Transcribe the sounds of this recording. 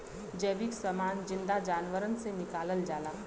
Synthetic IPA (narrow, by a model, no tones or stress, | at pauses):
d͡ʒɛːbiksɐmaːnd͡ʒɪ̃nd̪ad͡ʒaːnʋəɾənsenɪkaːləld͡ʒaːlaː